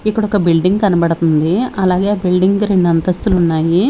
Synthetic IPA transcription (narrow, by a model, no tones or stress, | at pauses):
ikːɐɽɔkɐbilɖiŋɡɐnɐbɐɽɐt̪und̪iɐlaːɡe̞ːbilɖiŋɡɾeɳɖɐnt̪ɐst̪ulunːaːji